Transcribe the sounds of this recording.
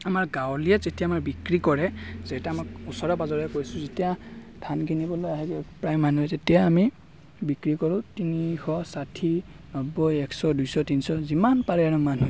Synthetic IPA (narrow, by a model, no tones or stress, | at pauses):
amaɹɡawlijazetijaːmaɹbikɹikɔɹɛz̥ɛtaamakusɔɹɔbazɔɹɛkojsʊ̃zetijatʰankʰinibɔlojaɦɛkɛpɹajmːanuɛzetijaːmi | bikɹikɔɹʊ̃tinixɔsatʰi | nɔbɔjɛksɔdujsɔtinsɔzimanpaɹɛaɹumanu